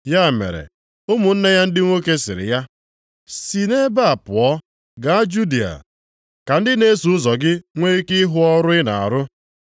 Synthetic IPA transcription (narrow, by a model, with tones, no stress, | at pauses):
ja˦˨mḛ˨ɾḛ˨ | ʊ˦mʊ˨n̩˦ne˦ja˦n̩˦dɪ˦ŋʷo˦ke˦sɪ˨ɾɪ̰˨ja˦ | si˨ne˦ba˦˨pʊ˨ɔ˦ | ɡa˨a˦d͡ʒu˦di˨a̰˨ | ka˨n̩˦dɪ˦ne˦su˨ʊ˦zɔ˨ɡɪ˦ŋʷe˦i˦kɪ˦ɦʊ˦ɔ˦ɾʊ˦ɪ˦na̰˨a̰˨ɾʊ˦